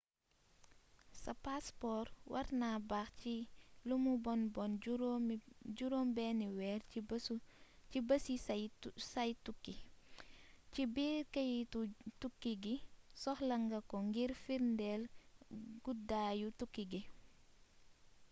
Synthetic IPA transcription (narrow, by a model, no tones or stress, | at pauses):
sɐpaspɔːɾwʔɐ̰ɾnabaxt͡ʃilumubɔnbɔn | ɟuɾombɛːniwɛːɾ | cibɐsisɐjtukːi | cibiːkəjitutukːiɡisɔxlɐŋɡɐkɔŋɡiɾfiɾndɛl | ɡudaːjutukːiɡi